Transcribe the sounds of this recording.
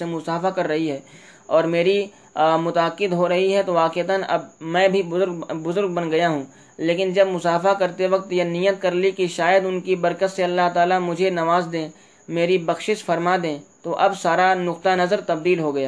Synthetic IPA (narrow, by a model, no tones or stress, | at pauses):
semʊsaːfakɐɾːɐɦiɦɛː | ɔːɾmeːɾi | mʊt̪ɐəqːɪd̪ɦoɾɐɦiɦɛt̪oʋaːqet̪ənɐ̰bmɛ̃ːbʱibʊzʊɾɡbʊzʊɾɡ̚bɐnɡɐjaɦũː | leːkɪnd͡ʒɐbmʊsaːfakɐɾt̪eʋɐk̚t̪janijət̪̚kɐɾlikiʃaːjəd̪ʊnkibɐɾkət̪seɐlːaɦt̪aːlamʊd͡ʒʱenɐʋaːzd̪ẽː | meːɾibɐxʃɪʃfɐɾmad̪ẽːt̪oʔɐbsaːɾanʊqt̪anɐzəɾt̪ɐb̚d̪iːlɦoɡɐjaː